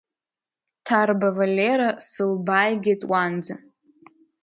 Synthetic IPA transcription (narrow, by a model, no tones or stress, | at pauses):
tʰarbavalʲeɾasɨlbajɡʲetʼwand͡za